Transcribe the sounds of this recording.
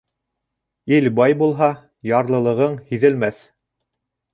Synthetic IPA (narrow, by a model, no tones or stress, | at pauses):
ilbɑjbulˠɦɑ | jɑɾlˠɤ̆lˠɤ̆ʁɤɴhiðɘ̆lmæθ